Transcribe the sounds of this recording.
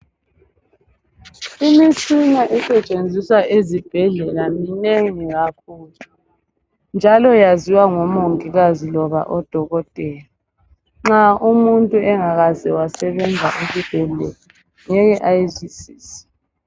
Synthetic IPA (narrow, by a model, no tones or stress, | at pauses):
imisinaʔɛsɛt͡ʃʼend͡zʱiswaʔezib̥ʱɛɮɛlamineŋiɣakʰuːlu | nd͡ʒʱalɔjaziwaŋɔmoŋiɣazilɔβa̰ʔɔd̥ʱɔɣɔtʼɛja | ŋ͡ǁaʔumuntʼuɛŋaɣazɛwasɛβɛnd͡zʱaʔezib̥ʱɛlɛ̰la | ŋɛjɛʔajzisiːsɛ̥